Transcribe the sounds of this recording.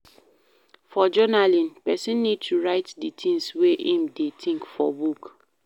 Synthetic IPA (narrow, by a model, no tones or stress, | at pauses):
fɔd͡ʒɔnalĩnpɛsĩnːid̚tʰuɹaɪtditʰĩŋsweʔĩmdetʰĩŋkfɔ̰buk